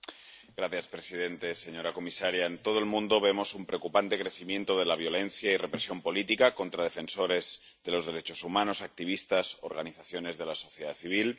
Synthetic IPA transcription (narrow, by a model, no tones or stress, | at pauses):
ɡ̥ɾaθjaspɾe̞sið̞e̞nt̪e̞se̞ɲo̞ɾako̞misaɾjaent̪o̞ð̞oelmũnd̪o̞βe̞mo̞sumpɾe̞okupant̪e̞kɾeθimjẽ̞nt̪o̞ðe̞laβ̞jo̞le̞nθjaire̞pɾe̞sjo̞mpo̞lit̪ikako̞nt̪ɾaðe̞fe̞nso̞ɾe̞z | ðe̞lo̞zðe̞ɾe̞t͡ʃo̞sumãno̞sak̚t̪iβ̞ist̪asoo̰ɾɣ̞aniθaθjo̞ne̞zðe̞laso̞θjeðaθiβ̞il